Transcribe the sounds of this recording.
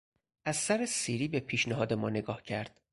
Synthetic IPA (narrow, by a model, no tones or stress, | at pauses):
ʔæzsæɾesiːɾiːbe̞pʰiːʃneɦɒːd̪e̞mɒːne̞ɡɒːhcʰæɾd̪̥